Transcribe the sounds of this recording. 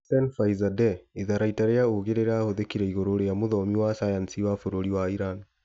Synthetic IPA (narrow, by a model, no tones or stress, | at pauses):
sɛnfaizadɛiðaɾaitaɾeaoɣeɾeɾahoðekiɾɛiɣoɾoɾejamoðɔmiwasajansiwafoɾoɾiwaiɾan